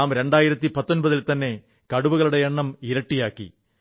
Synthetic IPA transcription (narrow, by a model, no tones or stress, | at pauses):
aːmɾe̞ɳɖaːjiɾɐt̪ːipɐt̪ːonbɐðilt̪ɐnːe̞ | kɐɽuʋuɣɐɭuɽe̞eɳːɐmiɾɐʈːijaːkːḭ